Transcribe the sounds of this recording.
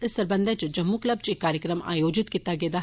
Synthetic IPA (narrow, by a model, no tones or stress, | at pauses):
t̪esɐɾbɐ̃nd̪ɐt͡ʃd͡ʒɐmːuklɐb̚t͡ʃikːaːɾjəkɾəma̰ːjoːd͡ʒɪt̪kit̪ːaɡeːd̪a